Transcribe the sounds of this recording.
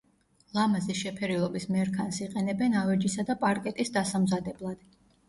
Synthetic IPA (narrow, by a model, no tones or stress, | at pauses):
lˠamaziʃɛpʰɛɾilˠɔbismɛɾkʰansiqʼɛnɛbɛnavɛd͡ʒisad̪apʼaɾkʼɛt̪ʼisd̪asamzad̪ɛblˠad̪̥